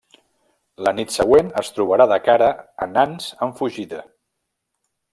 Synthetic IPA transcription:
lənit̪səɣwenəst̪ɾuβ̞əɾaðəkaɾəːnanzəɱfuʒiðə

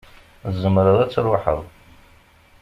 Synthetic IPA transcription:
zːəmɾəðˤæt͡sːɾwaħə̰ðˤ

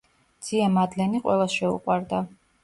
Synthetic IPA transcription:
d̪z̥iamad̪lɛniqʼwɛlˠasʃɛṵqʼwaɾd̪a

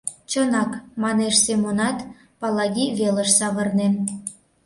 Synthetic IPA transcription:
t͡ɕənɑkmɑneʃsemonɑt̪ | pɑlɑɣʲiβeləʃsɑβə̆rne

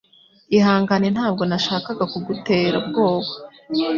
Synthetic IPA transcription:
ihaːŋɡanen̥haːb̚ɡo̞naʃaːkaɡakuɡuteːɾabɡo̞ːβḁ

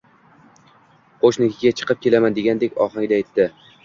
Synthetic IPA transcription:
qʰoʃnɪkʲʰɪɡʲat͡ʃʰɨ̥qʰɨp̚kʲe̞lamand̪e̞ɡʲand̪ekʲɒ̰χaŋʲd̪aːjt̪ːɪ

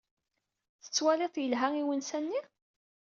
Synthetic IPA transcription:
θə̥t͡sːwæleðˤjəlɦæiwənsænːi

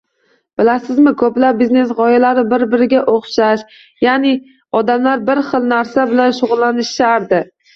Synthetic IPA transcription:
b̥ɪlasɪzmɪkʰoplap̚bizne̞sʁɒjalaɾɪbɪɾbɪɾɪɡʲaʔoχʃaʃ | janɪ | ɒd̪amlaɾbɪɾχɨlˠnaɾsabɪlanʃʊʁʊlˠːanɪʃaɾd̪ɪ

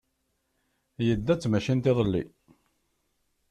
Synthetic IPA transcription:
jəd̪ːæt͡sːmæʃint̪eðˤəlːḭ

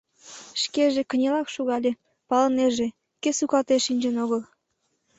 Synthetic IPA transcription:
ʃkeʒĕkə̆nʲelɑkʃuɣɑlʲĕ | pɑlə̆neʒĕ | kesukɑt̪eʃinʲd͡ʑenoɣəl

